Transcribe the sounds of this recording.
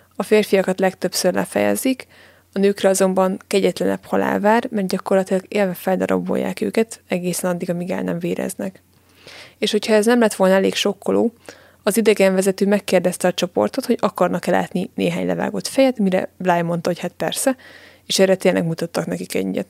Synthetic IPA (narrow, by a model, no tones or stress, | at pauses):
ɒfeːrfijɒkɒt̪lɛkt̪øpsørlɛ̰fɛ̰jɛ̰zik | ɒnøːkrɛɒzo̞mbɒŋkɛɟɛt̪lɛnɛ̰phɒla̰ːlvaːrmɛrt̪̚ɟɒko̞rlɒt̪ilɒɡeːlvɛfɛld̪ɒɾɒ̰bːo̞̰jːa̰ːkø̰ːkɛt̪ɛɡeːsɛnɒd̪ːiɡɒmiɡɛ̰lnɛ̰ɱveːɾɛ̰znɛk | eːʃho̞chɒɛznɛmlɛt̪ʋo̞lnɒɛleːkʃo̞kːolo̰ː | ɒzid̪ɛɡɛɱvɛzɛt̪øːmɛkːeːrd̪ɛst̪ɛɒt͡ʃo̞po̞̰rt̪o̞t̪ho̞ɟɒkɒrnɒkɛla̰ːt̪ninḛːɦaːɲlɛ̰va̰ːɡo̞t̪fɛjɛt̪miɾɛ̰blaːjmo̞nt̪ɒɦo̞chat̪̚pɛrsɛ | eːʃɛːrːɛt̪eːnlʔɛ̰ɡmut̪ɒt̪ːɒknɛkikɛ̰ɟy̰ɟɛ̰t̪